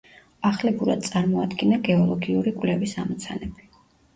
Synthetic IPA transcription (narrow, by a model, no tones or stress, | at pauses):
aχlɛbuɾad̪̥̚sʼaɾmɔad̪ɡɛnaɡɛɔlˠɔɡiuɾikʼwlɛvisamɔt̪sʰanɛbi̥